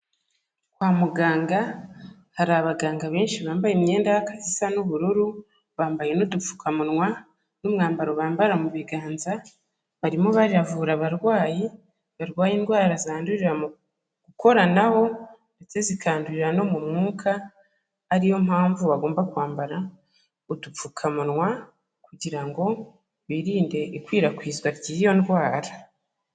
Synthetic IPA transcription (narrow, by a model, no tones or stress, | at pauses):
kwaːmuɡaːŋɡa | haɾaβaɡaːŋɡaβeːnʃiβaːmbajemɲe̞ːndahakḁzisanuβuɾuɾu | βaːmbaje̞nudufu̥kʰamunwa | numŋaːmbaɾoβaːmbaɾamuβiɡaːnza | βaɾimoβaɾiavuːɾaβaɾɡwaːji | βaɾɡwaːjiːndɡwaːɾazaːnduɾiɾamu | ɡ̥uko̞ɾanaho̞nde̞t͡se̞zikʰaːnduɾiɾano̞mumŋuːkʰaː | ɾijo̞mhaːɱvuβaɡoːmbakwaːmbaɾa | udup͡fukʰamunŋwa | kuɟiɾaŋɡo̞ | βiɾiːnde̞ʔikwiːɾakwiːzɡwaɾɟiːjo̞ndwaːɾa